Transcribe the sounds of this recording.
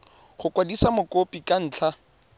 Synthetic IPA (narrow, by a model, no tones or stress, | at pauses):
χʊkʼwadisamʊkopʼikʼan̩ːt͡ɬʰa